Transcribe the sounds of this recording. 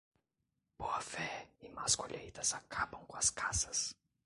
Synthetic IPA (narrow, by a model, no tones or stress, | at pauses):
b̥oɐfɛɪmaskoʎʔejt̪ɐzakʰabɐ̃w̃kõɐskʰasɐs